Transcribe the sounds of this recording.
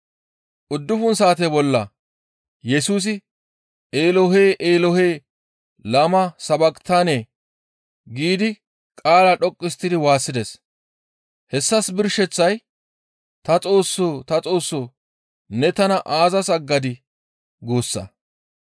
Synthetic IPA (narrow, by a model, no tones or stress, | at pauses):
ʔʊd̪ːʊfʊnsaːt̪̬ebɔlːɐ | jɛsuːs̬ɪ | eːlɔɦeːʔeːlɔheː | lɐmɐsɐbɐkt̪ʰaːne̞ː | ɡiːd̪ɪ | kʼaːlaɗɔkʼːɪst̪ːɪd̪ɪwaːsːɪd̪ɛs | hɛsːɐsbɪɾʃɛt͡sːɐj | t̪ɐt͡sʼo̞ːsːoːt̪ɐt͡sʼo̞ːsːoː | nɛt̪ɐnɐʔaːzɐsɐɡːɐd̪ɪ | ɡoːsːɐ̰